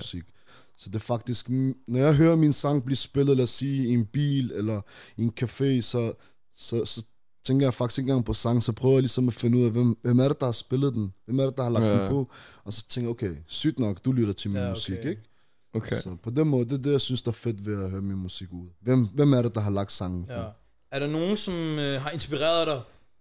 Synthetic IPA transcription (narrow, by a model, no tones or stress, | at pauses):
siɡ̥ | sɒ̽d̥e̝ɐfɑ̈ɡ̥̚d̥isɡ̥nɒjɑ̈ɪɦøːɐminsɑ̈ŋb̥liɐsb̥elð̩ˠlæsiːienb̥ḭːlelɐienkʰæfe̝̰ːsɒ̽ | sɒ̽sɒ̽ | t͡sʰeŋɡ̥ɐjɑ̈ɪfɑ̈ɡ̥i̥sɡ̥e̝nŋɡ̥ɑ̈ŋpʰɒ̽sɑ̈ŋsɒ̽pʰʁ̥œːʊjlisɒ̽mæfe̝nːəuð̰ˠæʋemʋemæɐɾe̝d̥ɑ̈hɑ̈sb̥elð̞ˠd̥enʋemæɐɾ̥ed̥ɑ̈hɑ̈lɑ̈ɡɡd̥epʰɔɒ̽sɒ̥̽t͡sʰeŋɡ̥ɐjokʰeɪsyd̥nɒ̽ɡ̥d̥ulyɾ̥ɐt͡sʰe̝lminmusiɡ̥eɡ̥ | okʰsɒ̽pʰɒ̽d̥enmɔ̽ːð̩ˠdeɐd̥e̝jɑ̈ɪsynsd̥eæɐfe̝d̥ʋe̝æɦøːɐminmusiɡ̥uð̰ˠʋemʋemæɐɾed̥ɑ̈ɦɑ̈lɑ̈ɡ̥d̥sɑ̈ŋn̩pɔ | æɐɾ̥ɑ̈no̝ːn̩sɒ̽mɦɑ̈e̝nsb̥iʁɛ̰ːɐðˠd̥ɑ